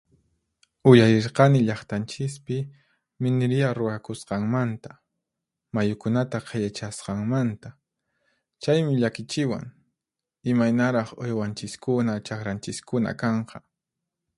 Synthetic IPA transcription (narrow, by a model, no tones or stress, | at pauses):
ʊjaɾɪɾqɑnɪʎɑχt̪ant͡ʃɪspɪ | mɪnɪɾɪjaɾʊakʊsqɑŋmant̪ḁ | majʊkʊnat̪aqʰɑjat͡ʃasqɑŋmant̪a | t͡ʃajmɪʎakɪt͡ʃɪwa̰ŋ | ɪmajnaɾɑχo̰jwant͡ʃɪskʊnat͡ʃakɾant͡ʃɪskʊna̰kɑɴqʰɑ